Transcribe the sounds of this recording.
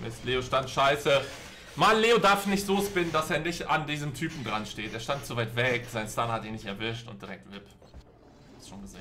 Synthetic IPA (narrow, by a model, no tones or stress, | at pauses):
mʔɪ̰stleːoʃtantʃaɪsə | manleːodaɐfnɪçtz̥oːspɪnənd̥aseːɐnɪçtandiːzəmtʰyːpm̩dʁanʃteːtʔeːɐʃtantt͡suvaɪtv̥ɛkz̥aɪnstanhatiːnɪçtɛɐvɪʃtʊnt̚d̥iʁɛk̚tv̥ɪp | sʃoːnɡəzeːn